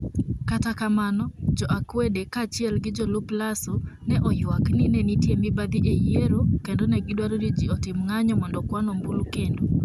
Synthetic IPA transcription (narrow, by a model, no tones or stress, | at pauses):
katakamanɔd͡ʒɔʔakwedekat͡ʃɪɛlɡɪd͡ʒɔluplasonɛʔɔjwakninɛnitjemɪbad̪iʔejeɾokendonɛɡɪdwaɾoɾid͡ʒiɔtɪmŋaɲɔmɔndɔkwanɔmbulkendo